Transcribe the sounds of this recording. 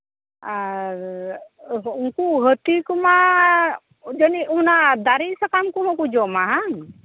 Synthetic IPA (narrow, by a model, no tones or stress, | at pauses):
a | uŋkuɦət̪ikuma | d͡ʒɔniunad̪aɾisakamkumakud͡ʒɔmaɦaŋ